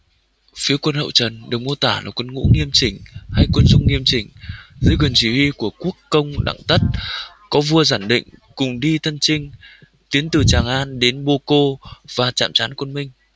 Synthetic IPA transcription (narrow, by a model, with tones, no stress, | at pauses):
fi˨˦əkwə˧nhə̰˧˨wt͡ɕə˨˩nɗɨ˨˩ək̚mu˧ət̪aː˧˩la̰ː˨˩kwə˧nŋṵ˧˥ŋi˧əmt͡ɕï˧˩ŋ̟ha˧jkwə˧nzʊ˧ŋ͡mŋi˧əmt͡ɕï˨˩ŋ̟zəː˨˦jkwə˨˩nt͡ɕi˧˩hi˧ku˧˩əku˦˥əkːə˧wŋ͡mɗa̰ː˧˨ŋt̪ə˦˥t̚ | kɔ˨˦vu˧əzaː˧˩nɗḭ̈˧˨ŋ̟kʊ˨˩ŋ͡mɗi˧t̪ʰə˧nt͡ɕï˧ŋ̟ | t̪i˨˦ənt̪ɨ˨˩t͡ɕaː˨˩ŋʔaː˧nɗe˨˦nɓo˧ko˧v̥aː˨˩t͡ɕa̰ː˧˨mt͡ɕaː˨˦nkwə˧nmï˧ŋ̟